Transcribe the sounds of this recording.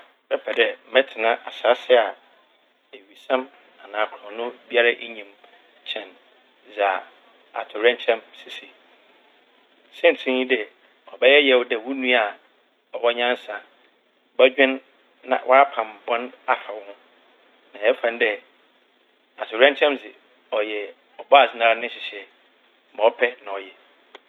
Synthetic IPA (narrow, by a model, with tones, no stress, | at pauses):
bɛ˦pʰɛ˨dɛ˨m̩˨mɛ̃˦tʰɪ˨nã˦ʔa˨sa˨˦sɪ˦a˨ | e˨ɥi˨sã˦m | a˨nãː˨kʰɔ̃˨nʊ̃˦bi˦a˦ɾa˦ʔe˦ɲĩ˨m | t͡ɕʰɛ̃˨n | za˨ | a̰˨tʰʊ˨ɾɛ̃˦n˦t͡ɕʰɛ̃˦msi˨si˨ | sɪ̃˦n̩˨tʰɪ̃˦ɲĩ˦dɛ˨ | ɔ˨bɛ˦jɛ˦jɛ˦wdɛ˨wʊ˦nũ˦a˨ | ɔ˨wɔ˦ɲã˦n˦sã˨ | bɛ˦d͡ʑᶣɪ̃˦nː | ã̰˨wʔa˦ɾa˦pʰã˨mbɔ̃˦na˨fa˨wʊ̃˦n | nã˨jɛ˦fã˨n˦dɛ˦ | a˨tʰʊ˨ɾɛ̃˦n˦t͡ɕʰɛ̃˦mzɪ˨ | ɔ˨jɛ˨ | ɔ˨bɔ˦a˨sɪ˦nã˦ɾa˦nɪ̃˦ɕɪ˨ɕɛ˨ | mɔ̃˨ɔ˦pʰɛ˦nã˨ɔ˨jɛ˨